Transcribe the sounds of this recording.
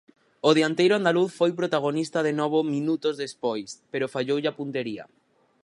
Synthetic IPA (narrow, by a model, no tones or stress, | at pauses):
oðeant̪ejɾoand̪aluθfojp̬ɾot̪aɣ̞onist̪að̞enɔβ̞omĩnut̪ozðespojspeɾofaʎowʎapunt̪eɾia̰